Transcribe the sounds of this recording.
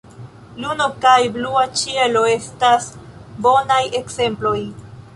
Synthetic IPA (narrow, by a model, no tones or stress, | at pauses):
luno̞kajbluat͡ʃie̞lo̞e̞stasbo̞naje̞kse̞mplo̞j